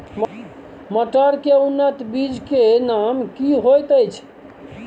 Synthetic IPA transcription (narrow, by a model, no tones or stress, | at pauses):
m | məʈəɾkeunːət̪bid͡ʒkenamkiɦojt̪əjt͡ʃʰ